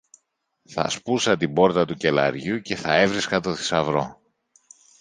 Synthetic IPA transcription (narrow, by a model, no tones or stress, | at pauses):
θɐ̰spusɐt̪ibo̞ɾt̪ɐt̪uce̞lɐ̰ɾʝuce̞θɐe̞vɾiskɐt̪o̞θi̥sɐvɾo̞̰